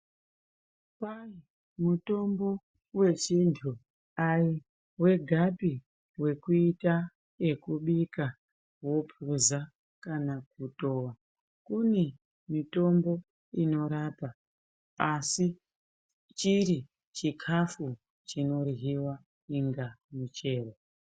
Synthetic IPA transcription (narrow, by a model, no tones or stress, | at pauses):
pai | muto̞mbo̞ | we̞t͡ʃintʰu | ai | we̞ɡʱapi | we̞kuita | e̞kuɓika | wopʰuza | kanakuto̞ːwa | kune | mito̞mbo̞ | ino̞ɾapa | asi | t͡ʃiɾi | t͡ʃikʰafu | t͡ʃino̞riɦiwa | iŋɡamut͡ʃe̞ːro